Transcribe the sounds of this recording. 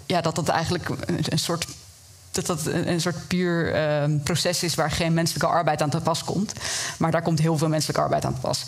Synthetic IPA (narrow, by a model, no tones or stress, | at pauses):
jaːdɑt̚dɑtɛ̰jχənləkəənsʊːɹt | d̥ɑtɑtnənsʊːɹtpyːɹəprosɛsɪsʋaːɹχejnmɛnsələkəʔɑɹbɛjtaːntəpɑskɔ̰mtmaːɹdaːɹkɔmtɦɪːlˠvɪːlˠmɛnsələkəɑ̰ɹbɛ̰jta̰ːntəpɑ̰s